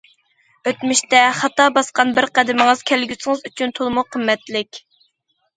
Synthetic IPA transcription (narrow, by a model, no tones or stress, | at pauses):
øt̪myʃt̪ɛχɑt̪ɑbɑsqɑnbɪɾqæd̪ɪmɪŋɨz̥kʲʰælɡʲysɨŋɨzyt͡ʃʰynt̪ʰolˠmuqʰəmːɛt̪lɪkʲ